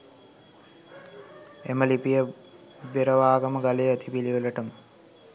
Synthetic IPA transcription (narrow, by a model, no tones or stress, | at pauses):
eməlipijə | ʋeɾəʋaːɡəməɡalejːt̪ʰipiliʋələʈəmə